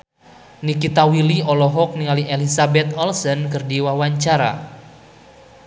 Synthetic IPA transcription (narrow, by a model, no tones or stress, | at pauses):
nikit̪awiliɔlɔɦɔk̚niŋaliʔelisabɛt̪̚ɔlsənkɨrdiwawaɲt͡ʃaɾa̰